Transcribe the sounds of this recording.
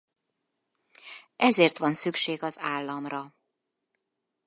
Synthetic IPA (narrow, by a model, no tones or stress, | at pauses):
ʔɛzeːrt̪ʋɒnsykʃeːɡɒzaːlːɒmrɒ